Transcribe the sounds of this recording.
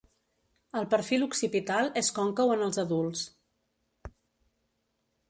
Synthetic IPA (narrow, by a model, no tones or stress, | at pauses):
əlˠpəɾfiluksipit̪alˠeskɔŋkəwənəlˠzəðulˠs